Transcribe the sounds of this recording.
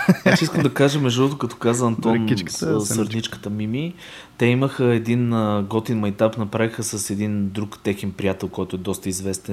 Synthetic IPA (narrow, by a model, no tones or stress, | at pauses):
jasiskəmd̪ɐkaʒəmɛʒd̪uɾot̪ʊkɐt̪ɔ̥kazəɐnt̪ɔnsɐɾd̪it͡ʃkə̥t̪əmimi | t̪ɛiməxəɛd̪inəɡɔt̪inmɐjt̪apnɐpɾavixəsɐsɛd̪ind̪ɾukt̪ɛxɛnpɾijat̪ɛlˠkɔjt̪ʊɛd̪ɔst̪əizvɛst̪ɛ